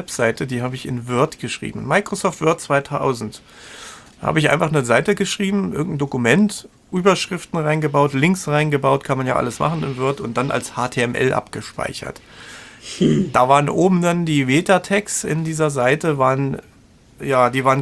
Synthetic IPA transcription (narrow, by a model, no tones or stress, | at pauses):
vɛpz̥aɪtədiːɦaːbəɪçɪnvʏɐtɡ̥əʃʁ̥ḭːbm̩maɪkʁ̥osɔːftv̥ʏɐt̚t͡sv̥aɪtʰa̰ʊzn̩t | ha̰ːbəɪçʔa̰ɪnfaχnəzaɪtəɡəʃʁ̥iːbm̩ʔɪɐɡŋ̩tn̩dokumɛnt | ʔyːbɐʃʁ̥ɪftn̩ʁaɪnɡəbaʊtlɪŋksʁaɪnɡəbaʊtkʰanmanjaːʔa̰ləsma̰χn̩ɪnvʏɐtʊnt̚d̥anʔa̰lshaːtʰeːɛmʔɛ̰lʔa̰pɡ̥əʃpa̰ɪçɐ̰t | d̥aːvaːʁənʔoːbm̩dandiːveːtatʰɛksɪ̰ndiːzɐzaɪtəvaːʁən | jaːdiːvaːʁən